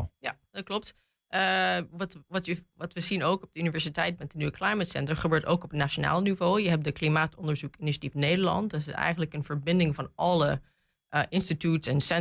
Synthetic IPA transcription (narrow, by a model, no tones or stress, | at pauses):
jadɑt̚klɔp̚t | ʔəʋɑtʋɑtəʋɑtʋəzinowkɔb̚dəynivɛɹsitɛjtmɛt̚dənyʋəklɑjmətsɛ̰ntəɹχəbøːɹto̰wkɔpnaʃona̰ːlˠnivowjəɦɛp̚dəklimaːtɔndəɹzukɪniʃatifnejdəɹlɑ̰ntdɑtɪsɛ̰jχənləkənvəɹbɪndɪŋvɑnɑlə | ʔəʔɪnstitutsɛnsɛ